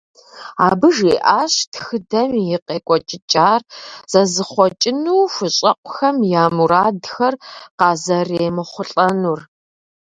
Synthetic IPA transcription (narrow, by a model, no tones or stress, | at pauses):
aːbɨʒeːʔaːɕtxɨdɐmjɪqeːkʷʼɔt͡ʃʼɪt͡ʃʼaːrz̥ɐzɨχʷɔt͡ʃʼɪnuːfʷʊɕʼɐqʷʊxɐmjaːmuɾaːdxɐrqɑːzɐreːmɨχʷʊɬʼɐnur